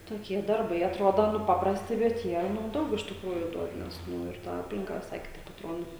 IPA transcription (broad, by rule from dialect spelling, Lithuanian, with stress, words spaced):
toːˈkʲiɛ dɐrˈbɐɪ ɐˈtroːdoː nʊ ˈpɑːprɐsʲtʲɪ bʲɛt ˈjiɛ nʊ ˈdɐʊk ɪʃ tʲɪkˈruːjʊ ˈduɔt nʲɛs ˈnʊ ɪr tɐ ˈɑːpʲlʲɪŋkɐ ʋʲɪˈsɐɪ kʲɪˈtɐɪp ɐtˈroːdoː